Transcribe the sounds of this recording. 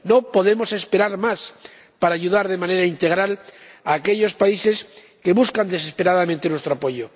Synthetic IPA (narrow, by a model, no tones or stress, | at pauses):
no̞po̞ðe̞mo̞se̞spe̞ɾaɾmas | paɾaːʎuðaɾðe̞mãne̞ɾaint̪e̞ɣɾalaːke̞ʎo̞spaise̞s | ke̞βuskand̪e̞s̬espe̞ɾaðamẽnt̪enwest̪ɾoapo̞ʝo